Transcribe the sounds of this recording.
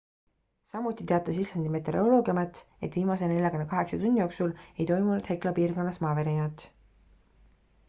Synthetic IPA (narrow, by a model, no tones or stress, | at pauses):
sɑmut̪ːˑit̪e̞ɑt̪ːˑɑsislɑnd̪̥ime̞t̪e̞ɾolo̞ːɡiɑmet̪ | e̞t̪viːmɑse̞ne̞lʲjɑkonːɑkɑɦe̞ksɑt̪unʲːijo̞ːksule̞jt̪o̞jmunud̪̥heklɑpiːrɡo̞nːɑsmɑːveɾinɑt̪ːˑ